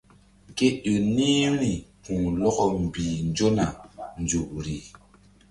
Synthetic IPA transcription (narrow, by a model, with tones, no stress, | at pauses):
ke˦ɗo˨ni˦mɾi˨kũ˨lɔ˦kɔ˦m˨biː˨nd͡ʒo˦na˨nd͡zu˨ʔɾi˨